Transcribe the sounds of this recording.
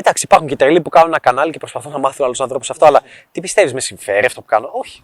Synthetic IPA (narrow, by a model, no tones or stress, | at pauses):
d̪ɐksipɐɾxuɲcet̪elipukɐnunenɐkɐnɐlice̞pɾo̞spɐθunːɐmɐθunɐlosɐnθɾopusɐft̪oɐlɐ | t̪ipist̪e̞vizme̞siɱfe̞ɾiɐft̪opu̥kɐnoʔo̞çi̥